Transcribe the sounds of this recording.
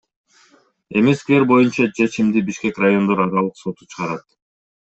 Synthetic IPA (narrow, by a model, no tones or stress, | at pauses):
e̞meskʲile̞ɾbo̞junt͡ʃɑt͡ʃʰe̞t͡ʃimd̪ibiʃke̞krajo̞nd̪o̞ɾɑɾɑlˠɯqso̞t̪u̥t͡ʃʰɯʁɑɾɑt̪